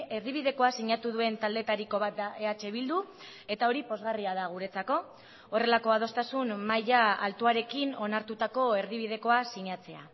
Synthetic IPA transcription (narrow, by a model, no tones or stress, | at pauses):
e̞ɾðiβ̞iðe̞ko̞asiɲat̪uðue̞nt̪ald̪e̞t̪aɾiko̞βat̪̚d̪aʔe̞at͡ʃe̞βild̪u | e̞t̪ao̞ɾipo̞zɣariað̞aɣ̞uɾe̞t͡sako̞ | ore̞lako̞að̞o̞st̪asunmajaalt̪uaɾe̞kino̞naɾt̪ut̪ako̞e̞ɾðiβ̞ið̞e̞ko̞asiɲat͡se̞a